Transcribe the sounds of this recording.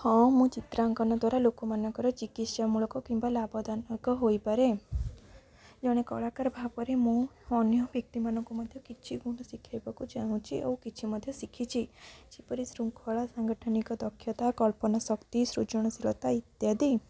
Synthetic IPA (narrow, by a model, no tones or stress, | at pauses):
hɔ̃mũt͡ʃit̪ɾaŋkɔnɔd̪waɾalokɔmanjɔkɔɾɔt͡ʃikiʃjamũlokɔkimbalabɔd̪anɔɡɔɦoipɔɾe | d͡ʒɔɽ̃ekɔɭakaɾbʱapɔɾemũ | ɔnjɔbjɔk̚t̪imanɔ̃ŋkumɔd̪ʱjɔkit͡ʃʰiɡuɽ̃ɔsikʰjajbakud͡ʒaũt͡ʃʰiḛũkit͡ʃʰimɔd̪ʱjɔsikʰit͡ʃʰit͡ʃipɔɾisɾuŋkʰɔɭasaŋɡɔʈʰɔnikɔd̪ɔkʰːjɔt̪akɔlpɔnasɔkt̪isɾut͡ʃɔɽ̃ɔsilɔt̪ait̪jad̪i